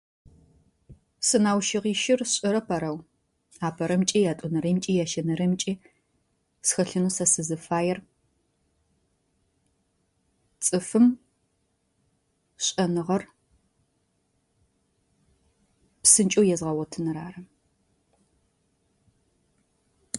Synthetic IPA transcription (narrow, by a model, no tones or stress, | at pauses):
sɨnaːwʃɪʁiːʃɪrɕʼɪɾɐpʰɐɾɐw | aːpʰɐɾɐmt͡ʃʼiːjaːtʼʊnɐɾɐmt͡ʃʼiːjaʃɐnɐrɐmt͡ʃʼiː | sxɐɬɨnuːsɐsɨzɨfaːjɛr | t͡sʼɨfɨm | ɕʼɐnɨʁɐr | psɨnt͡ʃʼowjɛzʁɐwɐtʰɨnɨɾaːrɐ